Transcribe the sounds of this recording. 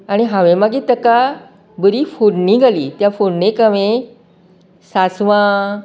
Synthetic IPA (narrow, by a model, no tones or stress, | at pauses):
aɽ̃iɦãʋẽmaɡiːt̪əka | bəɾiːfonniɡʱaliːt̪jafoɳnẽkəʋẽ | sasʋã